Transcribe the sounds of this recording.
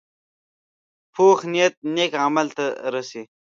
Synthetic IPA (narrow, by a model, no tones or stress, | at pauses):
pʰoːxnijɐt̪̚neːkamɐlt̪ɐɾɐsi